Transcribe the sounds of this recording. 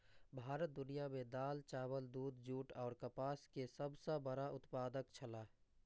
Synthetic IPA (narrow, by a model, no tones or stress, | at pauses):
bʱaːɾət̪̚d̪ʊnijamẽd̪aːlt͡ʃaːwəld̪uːd̪d͡ʒuːʈɔːɾkəpaːskesəbsə̃bəɾaʔʊt̪paːd̪əkt͡ʃʰəlaː